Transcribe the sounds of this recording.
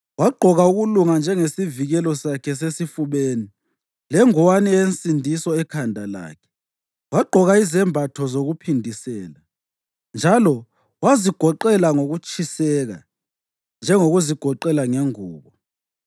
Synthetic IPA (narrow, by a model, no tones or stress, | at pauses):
waɡ͡ǃʱɔɣauɣuluŋand͡ʒʱɛŋesiviɣɛlɔsakʰɛs̬esifuβeːni | lɛŋɔwanient͡sʼindʱisɔɛkʰandʱala̰ːkʰɛ̥ | waɡ͡ǃʱɔɣaizɛmbʱatʰɔzoɣupʰindʱisɛːla | nd͡ʒʱalɔ | waziɡ̥ʱɔǃɛlaŋoɣut͡ʃʼisɛɣa̰ | nd͡ʒʱɛŋoɣuziɡ̥ʱɔǃɛlaŋeŋuːβɔ